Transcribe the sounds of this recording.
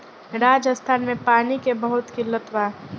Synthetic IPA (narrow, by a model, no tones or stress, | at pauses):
ɾaːd͡ʒəst̪ʰaːnmẽpaːnikebəɦʊt̪kilət̪waː